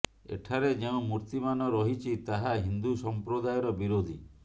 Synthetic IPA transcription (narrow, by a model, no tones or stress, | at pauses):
ḛʈʰaɾed͡ʒeũmuɾt̪imanɔɾɔɦit͡ʃʰit̪aɦaɦind̪usɔmpɾod̪ajɔɾɔbiɾod̪ʱi